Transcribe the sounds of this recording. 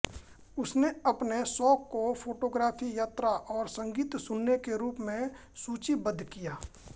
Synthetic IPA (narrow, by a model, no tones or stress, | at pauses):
ʊsneɐpnesɔːkːofʰoːʈoːɡɾaːpʰijaːt̪ɾaʔɔːɾsə̃ŋɡiːt̪sʊnːekeɾuːpmẽ | suːt͡ʃibəd̪ʱːkijaː